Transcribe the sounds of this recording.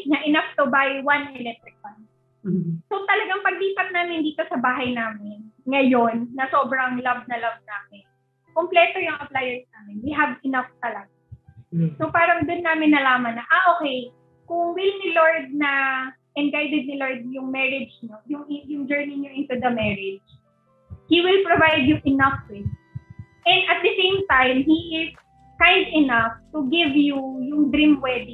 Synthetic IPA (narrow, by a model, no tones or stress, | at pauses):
k̚ɲɐʔɛnaft̪ʊbajwɐnɛlɛk̚t̪ɾɪk̚wɐn | sot̪ɐlɐɡaŋpɐɡ̚liːpɐt̪̚naːmɪnd̪iːt̪o̞sɐbaːɦɐjnaːmɪnŋɐjonːɐso̞ːbɾɐŋlɐvnɐlɐv̚naːmɪn | komplɛːt̪o̞jʊŋʔɐplajɐnsnaːmɪnwiɦɐvɛnaft̪ɐlɐɡa | sopaːɾɐŋd̪ʊnːaːmɪnːɐlaːmɐnːɐʔaʔoːkɛj | kʊŋwɪlnɪloɹd̪̚nɐ | ʔɛnɡajd̪ɛd̪̚nɪloɹd̪̚jʊŋmɛɹɪd͡ʒɲojʊŋʔɪjʊŋd͡ʒɛɹnɪɲoʔɪ̃nt̪ud̪ɐmɛɹɪd͡ʒ | hiwɪlpɹovajd̪jʊŋʔɪnɐfwɪd | ʔɛ̃nd̪ɐt̪̚d̪ɐsẽjmt̪ajmhiʔɪs | kãjnd̪ɪnɐft̪ʊɡɪvjujʊŋd̪ɾĩmwɛd̪ɪ